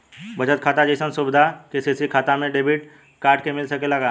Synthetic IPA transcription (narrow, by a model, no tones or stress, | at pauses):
bɐd͡ʒət̪kʰaːt̪ad͡ʒəɪsənsʊbɪd̪ʱakeseːsikʰaːt̪amẽɖeːbiʈ | kaːɾʈkemɪlsɐkelɐɡaː